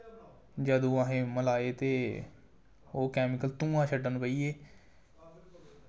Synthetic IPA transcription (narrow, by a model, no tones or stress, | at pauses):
d͡ʒəd̪ũːaːɦẽːməlaːeːt̪eː | oːkɛːmɪkəlt̪ũːãːt͡ʃʰəɖənpəiːeː